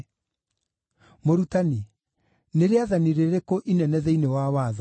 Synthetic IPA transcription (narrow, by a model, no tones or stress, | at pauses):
moɾutani | neɾeaðaniɾeɾekoʔinɛnɛðɛinewawaːða